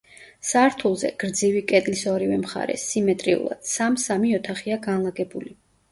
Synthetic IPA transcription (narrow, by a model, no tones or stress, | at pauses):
saɾt̪ʰulˠzɛ̰ɡ̥ɾd̪zivikʼɛd̪ʼlisɔɾivɛmχa̰ɾɛ̰simɛt̪ʼɾiṵlˠa̰d̪̥samsamiɔt̪ʰaχiaɡanlˠaɡɛbuli